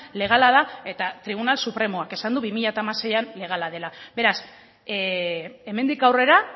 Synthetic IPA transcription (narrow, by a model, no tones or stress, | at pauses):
le̞ɣ̞alaðae̞t̪at̪ɾiβ̞unalsupɾe̞moake̞sand̪uβimiʎat̪aːmase̞janle̞ɣ̞alaðe̞labe̞ɾas | e̞me̞nd̪ikawre̞ɾa